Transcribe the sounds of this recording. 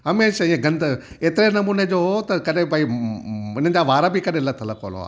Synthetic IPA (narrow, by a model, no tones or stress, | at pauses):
ɦɐmeːʃɪẽɡɐ̃nd̪ | eːt̪ɪɾenɐmuːned͡ʑoːɦot̪ɐkɐɗẽbaːi | ɪnəd͡ʑaːʋaːɾabɪkɐɗẽlɐt̪ʰəlɐkʰo̰ːlo̰a̰ː